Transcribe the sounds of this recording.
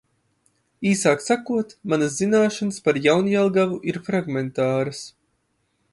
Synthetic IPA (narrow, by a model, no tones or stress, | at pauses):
iːsaːksakuɔt̪manɐszinaːʃanaspaɾjawnjalˠɡavuʔiɾfɾaɡment̪aːɾəs